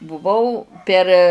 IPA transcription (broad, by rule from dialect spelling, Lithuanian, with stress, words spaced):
bʊˈʋɐʊ pʲɛr